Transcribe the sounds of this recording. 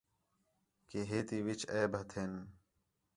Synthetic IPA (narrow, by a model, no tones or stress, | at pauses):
keɦet̪iwit͡ɕeːbʱɐt̪ʰen